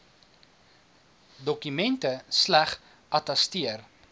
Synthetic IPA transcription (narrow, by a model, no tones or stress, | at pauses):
dɔkymɛntəslæχ | ʔɐtɛstiər